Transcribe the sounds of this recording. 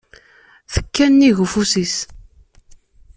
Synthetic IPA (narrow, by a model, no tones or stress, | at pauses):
θə̥kːænːiʝufusis